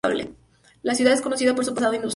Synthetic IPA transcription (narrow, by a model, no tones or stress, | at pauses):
βlḛ | lasjuðaðe̞sko̞no̞siðapo̞ɾsupasaðoĩnd̪us